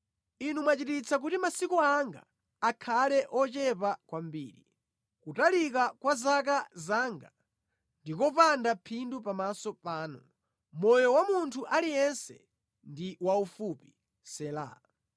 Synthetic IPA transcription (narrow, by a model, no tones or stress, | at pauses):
inumwat͡ʃitit͡sʰak̬utimasikɔaŋɡa̰ː | kʰalɛʔɔt͡ʃɛpakwambiːɾi | kutalikakwazak̬azaːŋɡa | ndikɔpandapʰindupamasɔpaːnɔ | mɔjɔwamuntʰuʔalijɛnsɛ̰ | ndiwaufupi̥ | sɛla̰